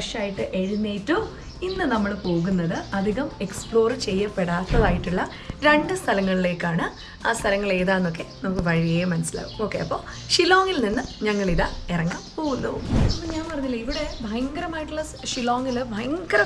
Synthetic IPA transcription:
ɐʂaːjiʈːɨʔe̞ɻunːeːʈːu | inːɨnɐmːɐɭpo̞ːɣunːɐðɨɐd̪ʱiɣɐme̞kspɭo̞ːrt͡ɕe̞jːɐpːeɽaːt̪ːɐðaːjiʈːuɭːɐ | ɾe̞ɳɖɨst̪ʰɐlɐŋːɐɭile̞ːkːaːɳɨ | aːst̪ʰɐlɐŋːɐɭe̞ːðaːnːo̞kːe̞nnɐmukːɨʋɐɻijɐjɐmɐnɐsila̰ːʋumoːkːeɐpːo̞ː | ʂiloːŋilninːɨɲɐŋːɐɭiðairɐŋːa̰ːmpo̞ːɣunːɐumɐnɐɲaːnpɐrɐɲːilːɐiʋiɽe̞bʱɐjɐŋɡɐɾɐmaːjiʈːuɭɐ | ʂiloːŋilbʱɐjɐŋɡɐɾɐ

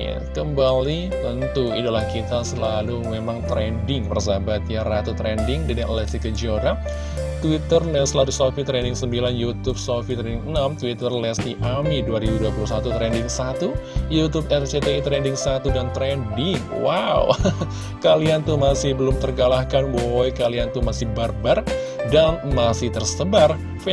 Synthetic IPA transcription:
ja̰kəmbali | t̪ənt̪uid̪ulahkit̪asəlalumemaŋt̪ɾɛndɪŋpərsabat̪jarat̪ut̪ɾɛndɪŋdinaʔlɛst̪ikəd͡ʒioɾa | t̪wit̪ərlɛsəlalusofit̪ɾɛndɪŋsəmbilanjut̪up̚sofit̪ɾɛndɪŋənamt̪uwit̪ərlɛsd̪iʔamiduaɾibuduapulusat̪ut̪ɾɛndɪŋsat̪ujut̪up̚ɛrt͡ʃet̪eit̪ɾɛndɪŋsat̪udant̪ɾɛndɪŋ | waw | kaliant̪umasɪhbəlʊmt̪ərɡalahkanbojkaliant̪umasɪhbarbar | danmasɪht̪ərsəbar | f

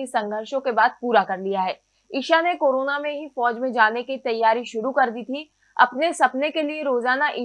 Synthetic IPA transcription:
isɐ̃ŋɡʱəɾʃõkebaːd̪̚puːɾakɐɾlijaɦɛː | iːʃanekoːɾoːnamẽɦifɔːd͡ʒmẽd͡ʒaːnekit̪ɐjːaːɾiʃʊɾukɐɾd̪it̪ʰi | ɐ̰pnesɐpnekelieɾoːzaːnaʔi

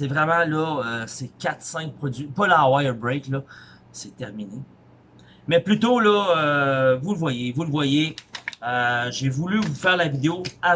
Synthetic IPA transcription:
sɛvʁɛmɑ̃lɔøsekʲat̪sɛ̃k̚pχɔd͡z̪ɥipɔlawajəbʁɛklɔ | sɛt̪ɛʁmine | mɛplyt̪olɔøvulvwajevulvwajeøʒevulyvufɛːʁlavid̪eoa

